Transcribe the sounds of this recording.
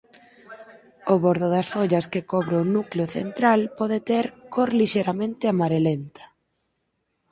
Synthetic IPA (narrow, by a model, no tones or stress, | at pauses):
ʊβoɾðʊðɐsfoʎɐskɪkɔβɾeʊnukleʊθḛnt̪ɾalpɔðet̪eɾkoɾliʃejɾamẽnt̪ɪamaɾelent̪ɐ̥